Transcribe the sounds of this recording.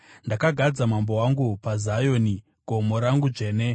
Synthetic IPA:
ndakaɡʱad͡zamambo̞waŋɡupazajo̞ːni | ɡ̥ʱo̞moɾaŋɡud͡ʐe̞ːne

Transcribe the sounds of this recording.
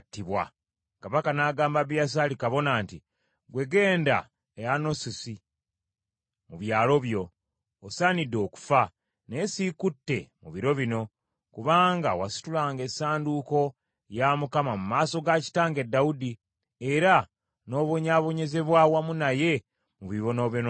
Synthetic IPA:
tːiβwa̰ | kaβakanaːɡaːmbaβjas̬alikaβo̞naːnti | ɡwe̞ɡe̞ːnda̰ | eano̞sisi | muβjaːlo̞βjo̞ː | saːnidːo̞ːku̥fa | ne̞sikutːe̞mṵβiɾo̞βino̞ | kuβaːŋɡawasi̥tulaːŋɡe̞saːnduko̞ | jamukamamumaːso̞ɡaci̥taːŋɡe̞dːaudi | eɾa | no̞ːβo̞ɲaβo̞ɲe̞ze̞βwawamunaje̞ | muβiβo̞no̞βono

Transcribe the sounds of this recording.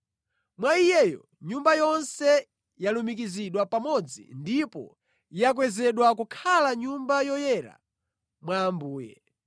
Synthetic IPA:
mwaijɛjɔ̰ | ɲumbajɔnsɛ | jalumik̬iziɗwapamɔd͡zḭndipɔ̰ | jak̬wɛzɛɗwakukʰalaɲumbajɔjɛɾa̰ | mwaːmbuːjɛ̰

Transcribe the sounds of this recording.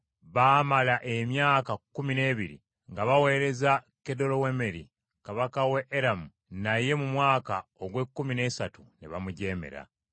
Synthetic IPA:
βaːmalaʔe̞mjaːkakːumine̞ːβiɾḭ | ŋɡaβawe̞ːɾe̞za | ke̞do̞lo̞we̞me̞ɾi | kaβakaweʔːɾamu | naje̞mumwaːkaoɡwekːumine̞ːsatunḛβamuɟe̞ːme̞̰ɾa̰

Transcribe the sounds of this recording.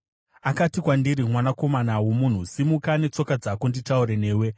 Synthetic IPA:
akatikwandiɾimwanako̞manawomun̤usimukane̞t͡so̞kad͡zakunditauɾene̞ːwe̞

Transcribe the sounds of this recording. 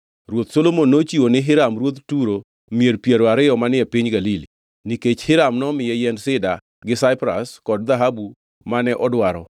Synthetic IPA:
ɾwot̪solomonːot͡ʃiwonɪɦɪɾamɾwot̪tuɾo | mieɾpjeɾoaɾɪɔmanɪɛpiɲɡalili | niket͡ʃhɪɾamnɔmɪjɛjɛnsɪda | ɡɪsaɪpɾa̰skɔdðaɦabu | manɛʔɔdwaɾɔ̰

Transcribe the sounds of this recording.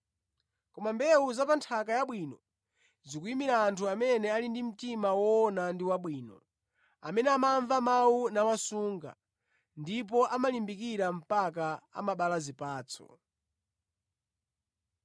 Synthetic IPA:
kɔmambɛuzapantʰak̬ajaɓwinɔ | zikuimiɾaːntʰuamɛnɛalindim̩timawɔːnandiwaɓwiːnɔ̰ | amɛnɛamaɱvamawunawasuːŋɡa̰ | ndip̬ɔʔamalimbikiɾam̩pak̬aa̰maɓalazipaːt͡sʰɔ̰

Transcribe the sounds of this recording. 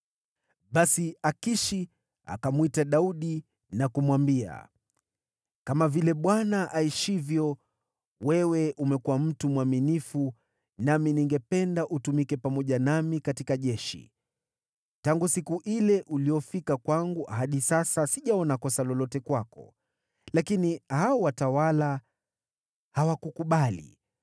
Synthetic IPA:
ɓasiakiʃi | a̰kamwitaɗauɗi | nakumwambia̰ | kamavilɛɓwanaʔaiʃivjɔ | wɛwɛʔumɛkuwam̩tumuwaminifu | naminiŋɡɛpɛndaʔutumikɛpamɔʄanamikatikaʄɛʃḭ | taŋɡusikuʔilɛʔuliɔfikakwaŋɡuɦaɗisasasiʄaɔnakɔsalɔlɔtɛkwakɔ̰ | lakinihaɔwatawala | hawakukuɓalḭ

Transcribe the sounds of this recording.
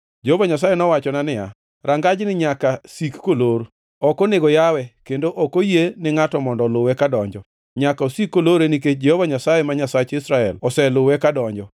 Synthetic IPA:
d͡ʒehovaɲas̬ajenɔwat͡ʃɔnanɪja̰ | ɾaŋɡad͡ʒnɪɲakasikːoloɾo | ɔkoneɡɔjawɛkendoʔɔkojenɪŋatɔmɔndɔlʊwɛkadɔɲd͡ʒɔ | ɲakaosikːoloɾeniket͡ʃd͡ʒehovaɲasajemaɲasat͡ʃɪsɾaɛlɔsɛlʊwɛkadɔɲd͡ʒɔ

